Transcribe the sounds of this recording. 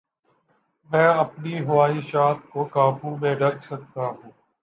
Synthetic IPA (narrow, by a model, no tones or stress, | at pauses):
mɛ̃ːəpniːɦʊʋaːiːʃaːt̪koːkaːpũːmẽːɖʱəksək̚t̪aːɦũː